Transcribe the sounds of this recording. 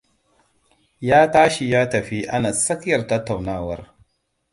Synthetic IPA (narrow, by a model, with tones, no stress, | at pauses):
ja˦ta˦ʃi˨ja˦ta˨fi˨ʔa˦na˨sa˦kja˨ɾta˦ta˨wnaː˦wa˨ɾ